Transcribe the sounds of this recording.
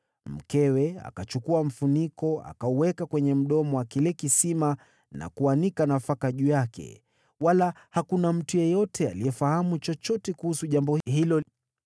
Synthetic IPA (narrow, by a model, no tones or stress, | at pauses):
m̩kɛwɛa̰kat͡ʃukuam̩funikɔa̰kauwɛkakwɛɲɛm̩ɗɔmɔwakilɛkisima | na̰kuanikanafakaʄujakɛ̰ | wala | hakunam̩tujɛjɔtʰɛalijɛfahamut͡ʃɔt͡ʃɔtɛkuhusuʄambɔhhilɔ